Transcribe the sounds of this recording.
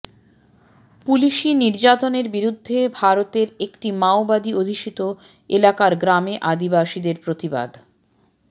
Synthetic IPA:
puliʃiniɾd͡ʑat̪oneɾbiɾud̪ʱːebʱaɾot̪eɾekʈimaobad̪iod̪ʱiʃit̪o | elakaɾɡɾameʔad̪ibaʃid̪eɾpɾot̪iba̰d̪

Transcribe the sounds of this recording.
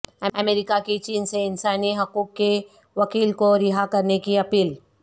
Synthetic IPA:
ɐɐmeːɾɪkakit͡ʃiːnseɪnsaːniɦɐkuːkːe | ʋɐkiːlkoɾɪɦakɐɾnekiɐpiːl

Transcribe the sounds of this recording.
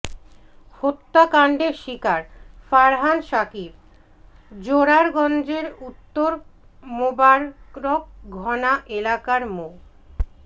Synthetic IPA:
hot̪ːakaɳɖeɾʃikaɾfaɾɦanʃakib̚ | d͡ʑoɾaɾɡɔnd͡ʑeɾut̪ːoɾ | mobaɾkɾok̚ɡʱɔnaʔelakaɾmo

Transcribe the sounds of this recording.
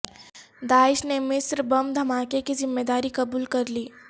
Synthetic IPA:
d̪aːɪʃnemɪsɾbɐmd̪ʱɐmaːkekizɪmːeːd̪aːɾikɐbuːlkɐɾliː

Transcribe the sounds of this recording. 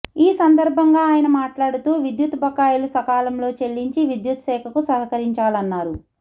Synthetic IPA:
iːsɐnd̪ɐɾbʱɐŋɡaːaːjɐnɐmaːʈlaːɽut̪uːʋid̪jut̪bʱɐkːaːjulusɐkaːlɐmlo̞ːt͡ʃe̞ɭːiɲt͡ʃiʋid̪jut̪ʃɛːkʰɐkusɐɦɐkɐɾiɲt͡ʃaːlɐnːaːɾu

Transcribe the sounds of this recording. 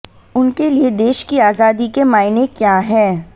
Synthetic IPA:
ʊnkelied̪eːʃkiaːzaːd̪ikemaːɪnekjaːɦɛː

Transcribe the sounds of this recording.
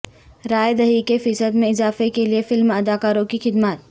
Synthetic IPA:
ɾaːjd̪ɐɦikefɪsəd̪mẽɪzaːfekeliefɪlmɐd̪aːkaːɾõkixɪd̪maːt̪

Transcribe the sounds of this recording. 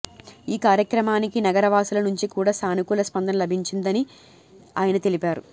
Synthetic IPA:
iːkaːɾjɐkɾɐmaːnikinɐɡɐɾɐʋaːsulɐnuɲt͡ʃikuːɽaːsaːnikulɐspɐnd̪ʱɐnɐlɐbʱiɲt͡ʃind̪ɐni | a̰ːjɐnɐt̪e̞lipaːɾṵ

